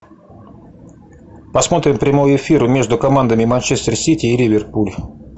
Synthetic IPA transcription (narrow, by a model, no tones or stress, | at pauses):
pɐsmo̞t̪ɾʲɪmpɾʲɪmojɪfʲiɾʊmʲe̞ʐd̪ʊkɐmand̪əmʲɪmɐnt͡ɕest̪ərsʲitʲɪːlʲɪvʲɪrpulʲ